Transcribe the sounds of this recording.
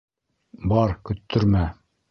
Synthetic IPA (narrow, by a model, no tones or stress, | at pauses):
bɒɾkɵ̆t̪ʰːɵ̆ɾmæ